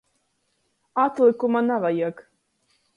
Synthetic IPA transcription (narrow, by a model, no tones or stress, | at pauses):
at̪lˠikumanavajiɛk